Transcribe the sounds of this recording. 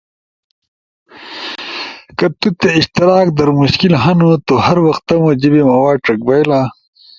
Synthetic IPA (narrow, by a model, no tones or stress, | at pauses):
kɐt̪ut̪eiɕt̪iɾaːkd̪ɐɾmuɕkilɦɐnut̪ohɐɾwɐxt̪ɐmɐd͡ʑibimɐwaːʈɐk̚bɐjla